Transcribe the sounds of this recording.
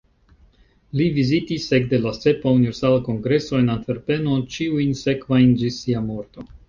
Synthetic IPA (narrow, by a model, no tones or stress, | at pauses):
livizitise̞k̚de̞lase̞paunive̞ɾsalako̞ŋɡɾe̞so̞e̞nantfe̞ɾpe̞no̞t͡ʃiujnse̞kvajnd͡ʒisiamo̞ɾto̞